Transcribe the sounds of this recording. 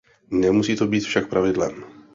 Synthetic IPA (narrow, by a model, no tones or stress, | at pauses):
nɛmusiːt̪o̞biːt̪fʃak̚pɾavɪdlɛ̰m